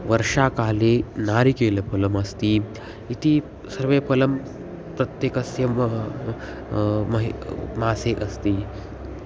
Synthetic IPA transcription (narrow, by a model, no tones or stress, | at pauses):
ʋɐɾʂaːkaːlenaːɾikeːlepʰɐlɐmɐst̪iː | it̪iː | sɐɾʋepɐlɐm | pɾɐt̪jekɐsjɐ | mɐɦmaːseʔɐst̪iː